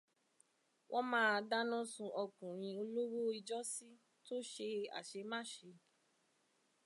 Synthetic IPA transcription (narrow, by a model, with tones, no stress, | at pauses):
wʔɔ˦mãː˦˧da˦nɔ̃˦sũ˧ʔɔ˧kũ˨ɾ̃ĩ˧o˧lo˦wo˦i˧d͡ʒɔ˦si˦ | to˦ʃe˧a̰˨ʃe˧mã˦˨ʃe˧